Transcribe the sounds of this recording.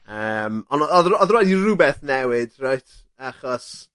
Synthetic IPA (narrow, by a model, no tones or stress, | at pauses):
əːmɔnɔɔðəɔðəɾwɛdirubɛθnɛwɪd̥rajtʰ | aχɔs